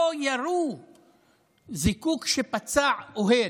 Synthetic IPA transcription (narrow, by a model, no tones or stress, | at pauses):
ojaɾu | zikukʃepat͡saʕoɦe